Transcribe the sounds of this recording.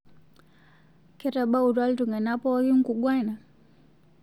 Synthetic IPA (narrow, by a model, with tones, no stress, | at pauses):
kɛ˦ta˨ɓa˦u˨ɾa˦ltu˨ŋa˨na˦pɔ˦ju˦ŋ̩˦ku˨ɡwa˦na˨